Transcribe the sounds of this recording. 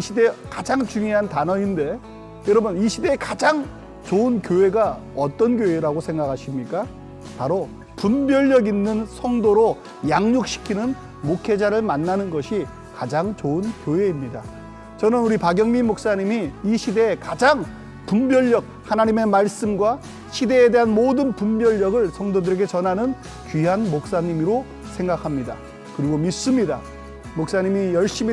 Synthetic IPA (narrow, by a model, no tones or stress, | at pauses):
iɕʰide̞kad͡ʑaŋt͡ɕuŋjoɦantanʌinde̞ | jʌɾʌbɯniɕʰide̞ːkad͡ʑaŋ | t͡ɕoɯnkjoɦe̞ɡa | ʌt͈ʌnkjoeɾaɡosʰe̞ŋɡakʰaɕʰimɲik͈a | paɾo | pumbjʌʎːʌɡinːɯnsʰʌŋdoɾo | jaŋɲok̚ɕ͈ʰi̥kʰinɯn | mokʰe̞d͡ʑaɾɯɭmanːanɯnɡʌɕʰi | kad͡ʑaŋt͡ɕoɯnkjoɦe̞imɲida | t͡ɕʌnɯnuɾipaɡjʌŋmimok̚s͈aɲimiiɕʰide̞ːkad͡ʑaŋ | pumbjʌʎːʌk̚hanaɲime̞maɭs͈ɯmɡwa | ɕʰide̞ːde̞ɦanmodɯnpumbjʌʎːʌɡɯɭsʰʌŋdodɯɾe̞ɡe̞t͡ɕʌnɦanɯn | kɥiɦanmok̚s͈aɲimiɾo | sʰe̞ŋɡakʰamɲida̰ | kɯɾiɡomis͈ɯmɲida | mok̚s͈aɲimijʌɭɕ͈im